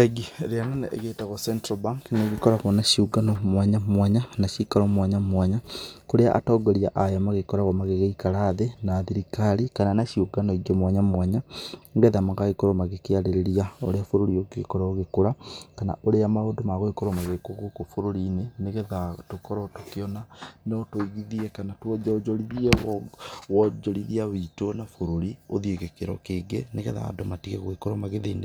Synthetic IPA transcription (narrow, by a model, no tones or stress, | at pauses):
eɡiɾiananaʔeɣetaɣosentɾobaŋkneɣikoɾakonaʃiuɡanomwaɲamwaɲanaʃikalomwaɲamwaɲakuɾea̰ʔa̰toɡolia̰ʔajomaɣekoɾakomaɣeɣaikalaðenaðiɾikalikananaʃiuɡanoiɡomwaɲamwaɲaŋɡeðamaɣaikoɾomaɣekialeɾeɾiaoɾeafoɾoɾiokekoɾaoɣekoɾakana̰ʔoɾeamaodomaɣoekoɾɔmaɣekoɣokofoɾoɾineneɣɛðatokɔɾɔtokeɔnanɔtoiɣiðiɛkanatwɔd͡ʒɔd͡ʒɔɾiðiɛwwɔd͡ʒɔɾiðiawitonafoɾoɾioðieɣekeɾɔ̰keːɡḛneɣɛ̰ða̰o̰domatiɣɛɣoekoɾɔmaɣeðeine